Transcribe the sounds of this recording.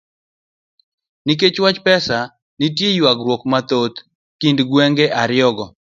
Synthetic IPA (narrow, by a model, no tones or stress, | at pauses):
nik̬et͡ʃwat͡ʃpɛsa | nitjejwaɡɾwokmat̪ot̪ | kindɡwɛŋɡeʔaɾɪɔɡɔ